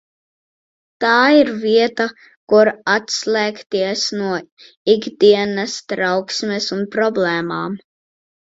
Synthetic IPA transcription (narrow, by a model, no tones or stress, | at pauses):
t̪aːiɾviɛt̪a | kuɾat̪slˠɛːkt̪iɛsnuɔ | iɡd̪iɛnɐst̪ɾawksmɛsunpɾɔblˠɛːma̰ːm